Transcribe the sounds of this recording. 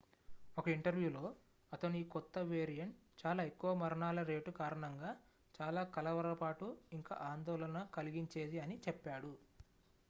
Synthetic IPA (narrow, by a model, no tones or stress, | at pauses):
ɔkɐiɳʈɐɾʋjuːlo̞ː | ɐt̪ɐnuiːkɔt̪ːɐʋe̞ːɾijɐɳʈt͡ʃaːlaːekːuʋɐmɐɾɐɳaːlɐɾe̞ːʈukaːɾɐɳɐŋɡaː | t͡ʃaːlaːkɐlɐʋɐɾɐlɐpaːʈuiŋka̰ːʔaːnd̪ɔːlɐnɐkɐliɡiɲt͡ʃe̞ːd̪iɐnit͡ʃɛpːaːɽu